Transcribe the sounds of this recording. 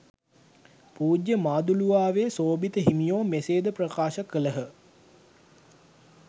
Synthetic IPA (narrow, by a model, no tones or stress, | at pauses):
puːd͡ʒjəmaːd̪uluʋaːʋeːsoːbit̪əɦimijoːmeseːd̪əprəkaːʃəkələɦə